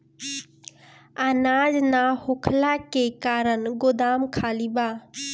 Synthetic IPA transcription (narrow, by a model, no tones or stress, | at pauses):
anaːd͡ʒnahʊkʰlakekaːɾənɡʊd̪aːmkʰaːlibaː